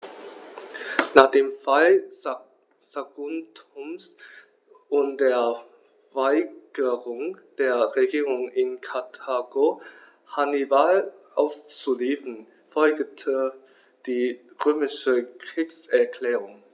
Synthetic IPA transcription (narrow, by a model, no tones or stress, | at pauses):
naːχd̥eːmfal | saɡʊntʊms | ʔʊntd̥eːɐ | vaɪɡ̥əʁʊŋd̥eːɐʁeɡiːʁʊŋɪnkʰatʰaːɡo | hanibalʔaʊst͡suliːfən | fɔlɡtʰə | d̥iː | ʁøːmɪʃəkʁ̥iːksɛɐkl̥ɛːʁʊŋ